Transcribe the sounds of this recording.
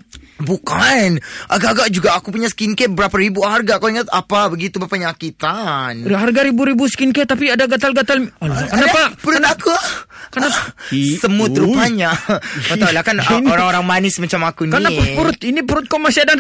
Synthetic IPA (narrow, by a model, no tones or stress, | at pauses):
bukanʔaɡaɡaʔd͡ʒuɡaʔːkupuɲasə̥kinkɛt̚bəɾapaɾibuharɡaʔkaiŋat̪apabəɡit̪ubapaɲakit̪anɦarɡaɾibuɾibusə̥kinkɛtt̪ːapiadaɡat̪alɡat̪alalkanapapəɾʊtnakuakənapasəmuat̪əɾupaɲaat̪aulakanaoɾaŋoɾaŋmanɪsmat͡ʃamakunkanapəɾʊt̪̚inipəɾʊt̪̚kɔmasiadan